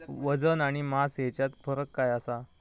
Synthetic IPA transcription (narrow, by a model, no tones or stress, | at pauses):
ʋəd͡zənaɽ̃imasɦet͡ɕjat̪fʰəɾəkːajasa